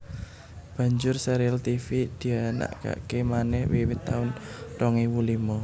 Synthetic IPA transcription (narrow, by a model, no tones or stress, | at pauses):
b̥ä̤ɲd͡ʒʊrsɛɾialt̪ifid̪̥i̤ana̰ʔka̰ʔkemanɛhwiwɪt̪ːaʊnrɔŋiwulimɔ